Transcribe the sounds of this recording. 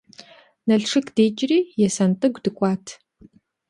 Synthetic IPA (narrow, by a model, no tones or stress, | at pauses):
nɐɬʂɨkʰd̥eːt͡ʃʼriːjɛsɐntʼɨɡʷdɨkʷʼɑːtʰ